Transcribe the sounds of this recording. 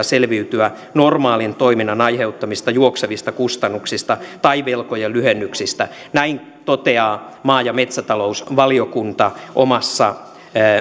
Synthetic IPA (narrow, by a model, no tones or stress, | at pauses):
selʋiyt̪yæ | normɑːlint̪oiminːɑnɑjheut̪ːɑmist̪ɑjuokseʋist̪ɑkust̪ɑnːuksist̪ɑt̪ɑiʋelkojelyhenːyksist̪æ | næin | t̪ot̪eɑː | mɑːjɑmet̪sæt̪ɑlousʋɑliokunt̪ɑʔomɑsːɑ